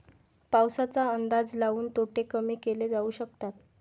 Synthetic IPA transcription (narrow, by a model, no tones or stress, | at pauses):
pawsat͡saənd̪ad͡zlaʋuːnt̪oʈekəmiːkeled͡zauːɕəkt̪at̪̚